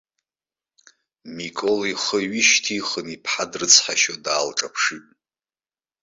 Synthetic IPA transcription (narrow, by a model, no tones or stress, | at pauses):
mikʼoliχəɥiʃtʰiχənipʰħadrɨt͡sʰħaʃodaːlʈ͡ʂʼapʰʂitʼ